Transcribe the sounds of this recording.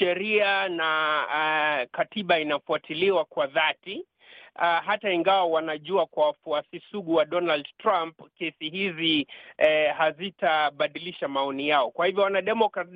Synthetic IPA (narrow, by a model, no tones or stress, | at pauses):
ʃɛɾiana | katiɓainafuatʰiliwakwaðati | aɦataiŋɡawawanaʄuakwawafuasisuɠuwaɗɔnaldtɾampkɛsihizi | hazitaɓaɗiliʃamaɔnijaɔkwahivjɔwanaɗɛmɔkɾa